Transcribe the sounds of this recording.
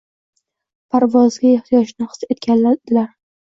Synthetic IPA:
pʰaɾvɒzɡʲaeht̪ʰijɒd͡ʒnɪhɨ̥set̪̚kʲʰanlad̪̥ɪlaɾ

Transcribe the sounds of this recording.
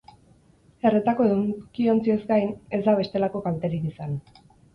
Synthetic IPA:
e̞ret̪ako̞eðukio̞nt͡sie̞zɡajne̞zd̪aβe̞st̪e̞lako̞kalt̪e̞ɾikisan

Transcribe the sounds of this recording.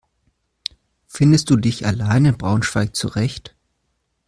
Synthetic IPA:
fɪndəst̚d̥uːdɪça̰laɪnɪnbʁaʊnʃv̥aɪk̚t͡sṵʁɛçt

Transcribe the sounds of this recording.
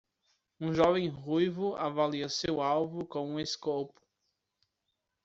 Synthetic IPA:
ũʒɔvẽj̃ɦujvʊavaliɐsewawvʊkõw̃ũeskowpʊ̥

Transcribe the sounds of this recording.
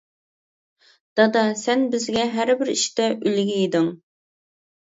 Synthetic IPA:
d̪̥ɑd̪ɑsɛnbɪzɡʲɛɦæɾbɪɾiʃt̪ɛʔylɡʲɛjid̪ɨŋ

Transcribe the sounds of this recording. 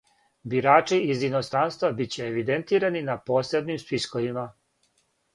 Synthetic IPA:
biɾaːt͡ʂiːzino̞st̪ɾanst̪ʋabit͡ɕe̞ːʋid̪ent̪iːɾaninapo̞ːse̞bnimspiskoʋima

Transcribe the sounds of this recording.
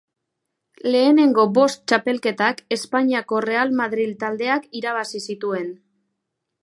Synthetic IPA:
le̞ːne̞ŋɡo̞bo̞st̪̚t͡ʃape̞lke̞t̪ake̞spaɲiako̞re̞almaðɾilt̪ald̪e̞akiɾaβ̞asisit̪ue̞n

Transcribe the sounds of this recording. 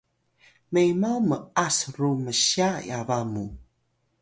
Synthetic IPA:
mejmaməasɾuməɕaj̰avamu

